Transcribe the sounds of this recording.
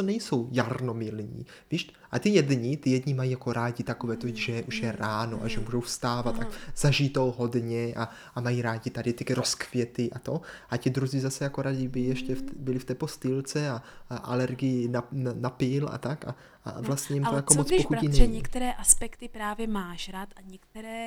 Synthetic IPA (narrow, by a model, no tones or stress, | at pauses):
onɛjso̞wjarno̞mɪlɲḭːviːʃʔat̪ɪjɛdɲɪt̪ɪjɛdɲɪmajiːjako̞ɾaːɟɪt̪akovɛːt̪oʒɛʔuʃjɛɾaːno̰ʔa̰ʒɛmuʒowfst̪aːvat̪ːakz̥aʒit̪owɦo̞dɲɛʔa | amajiːɾaːɟɪt̪adɪt̪ɪɾoskvjɛt̪ɪʔat̪o̞ʔacɪd̪ɾuziːzasɛjako̞ɾaɟɪbɪlɪjɛʃcɛftbɪlɪft̪ɛːpost̪ɪlt͡sɛaʔa̰lɛɾɡɪjɪnananapɪlʔa̰t̪aka̰ | a̰vlast̪ɲɛɛjimt̪ojakomot͡spoxucinɛɲiɲɛkt̪ɛɾɛːʔaspɛkt̪ɪpɾaːvjɛmaːʃɾaːt̪ʔaɲɛk̚t̪ɛɾɛː